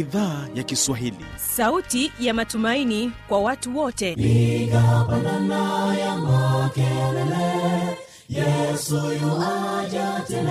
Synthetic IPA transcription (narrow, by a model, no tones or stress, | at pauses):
iðaːjakiswaɦilḭsautijamatumainikwawatuwɔtɛiɡapananajamakɛlɛlɛ | jɛsujulad͡ʒatɛ